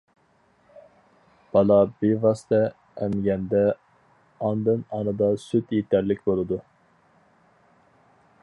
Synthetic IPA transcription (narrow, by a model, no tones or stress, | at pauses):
b̥ɑlˠɑbevɑst̪ɛː | mɡʲɛnd̪ɛ | ɑnd̪ɨnɑnɨd̪ɑsyt̪jet̪ʰɛɾlɪkʲbolˠɨd̪u